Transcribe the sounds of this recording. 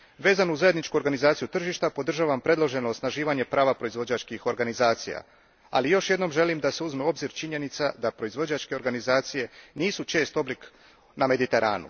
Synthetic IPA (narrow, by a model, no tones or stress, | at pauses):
ʋe̞ːzanuzaje̞d̪nit͡ʃkuo̞ɾɡanizaːt̪ijut̪r̩ʒiʃt̪apo̞d̪r̩ʒaːʋampɾe̞d̪lˠo̞ʒe̞noosnaʒiːʋaɲe̞pɾaːʋapɾo̞izʋo̞d͡ʑat͡ʃkixo̞ɾɡanizaːt̪sḭja̰ | a̰lijo̞ʃje̞d̪no̞mʒe̞limd̪aseuzmeo̞bziɾt͡ʃiɲe̞nit̪sad̪apɾo̞izʋo̞d͡ʑat͡ʃke̞oɾɡanizaːt̪sije̞niːsut͡ʃe̞ːst̪o̞blik | name̞d̪it̪e̞ɾa̰ːnṵ